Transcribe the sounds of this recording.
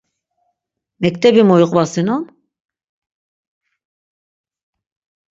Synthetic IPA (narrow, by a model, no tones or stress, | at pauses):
mɛkt̪ʰɛbimojuqʼvasinɔn